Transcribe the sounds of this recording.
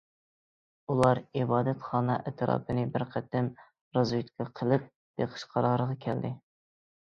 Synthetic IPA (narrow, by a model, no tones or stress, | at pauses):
ulˠɑɾibɑːd̪ɛt̪χɑːnɑʔɛt̪ʰɨɾɑ̰ːpʰɨnɪbɪɾqʰæt̪ːɪm | ɾɑzwet̪kʲʰɑqʰəlˠɨp̚ | b̥eqʰə̥ʃqʰɑɾɑːɾəʁɑkʲʰɛld̪ɪ